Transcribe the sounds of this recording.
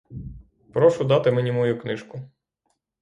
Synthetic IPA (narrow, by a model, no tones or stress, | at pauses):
pɾɔʃʊd̪ɑt̪ɪmenʲimɔjuknɪʃkʊ